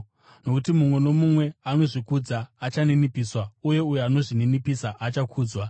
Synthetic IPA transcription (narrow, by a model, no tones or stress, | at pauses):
no̞kutimumwe̞no̞mumwe̞ano̞ʐikud͡zaːt͡ʃanenipiːswauje̞ujuano̞ʐinenipisaʔat͡ʃakʰuːd͡zwa